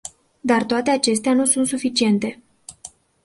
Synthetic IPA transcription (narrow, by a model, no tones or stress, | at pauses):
d̪art̪oat̪e̞at͡ʃe̞st̪eanusunt̪sufit͡ʃie̞nt̪e̞